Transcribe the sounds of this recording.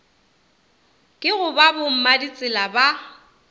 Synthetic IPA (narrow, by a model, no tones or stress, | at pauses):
kʼɪɣʊbabʊm̩madit͡sʼɪlaba